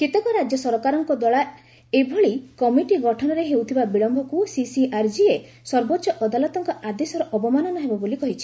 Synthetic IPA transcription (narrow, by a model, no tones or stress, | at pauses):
kit̪ɔkɔɾad͡ʒjɔsɔɾɔkaɾɔŋkɔd̪ɔɭa | ebʱɔɭikɔmiʈiɡɔʈʰɔnɔɾeɦewt̪ʰibabiɭɔmbʱɔkusisiʔaɾd͡ʒie | sɔɾbɔtːʃɔʔɔd̪alɔt̪ɔŋkɔʔad̪esɔɾɔʔɔbɔmanɔnɔɦebɔbolikɔɦit͡ʃʰi̥